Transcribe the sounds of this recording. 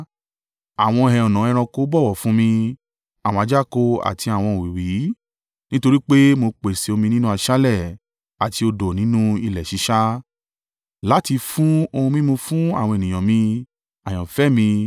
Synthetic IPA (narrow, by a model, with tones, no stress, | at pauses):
a˨w̃ɔ̃˧ɦɛ̃˧ɔ˨nã˨˦ɛ˧ɾ̃ɔ̃˧ko˨˦bɔ˦˨wɔ˨fũ˨˦mĩ˧ | a˨wɔ̃˨a˧d͡ʒa˦ko˧a̰˨ti˧a˨w̃ɔ̃˧o˨wi˨wi˨˦ | nĩ˦to˧ɾi˦k͡pe˦mo˧k͡pe˨si˨o˧mĩ˧nĩ˦nũ˦a˧ʃa˦lɛ˦˨ | a˨ti˧o˧do˨nĩ˨˦nũ˦i˧lɛ˨ʃi˨˦ʃa˦ | la˦ti˧fũ˦o˧ũ˧mĩ˦mũ˧fũ˦a̰˦˨w̃ɔ̃˧e˨nĩ˨j̃ɔ̃˨mĩ˧ | a˨j̃ɔ̃˨fɛ˦˨mĩ˧